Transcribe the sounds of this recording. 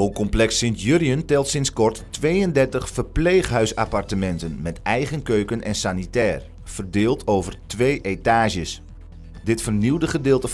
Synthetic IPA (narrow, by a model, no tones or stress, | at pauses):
okɔmplɛksɪntjøɾiəntɛlˠtsɪnskɔrtː | ʋeːəndɛrtəχfərpleːχɦœɥsa̰partəmɛntənmɛtɛjχənkøɥkənʔɛ̰nsanitɛːr | fərdɪːlˠtʰowvərtʋejʔetaːʒəs | dɪtfərniwdəχədɪːlˠtə